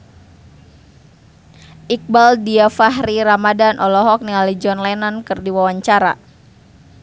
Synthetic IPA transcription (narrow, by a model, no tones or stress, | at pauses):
ʔik̚baldiafaɦriɾamadanʔɔlɔɦɔk̚niŋalid͡ʒɔnlanankɨrdiwawaɲt͡ʃaɾa̰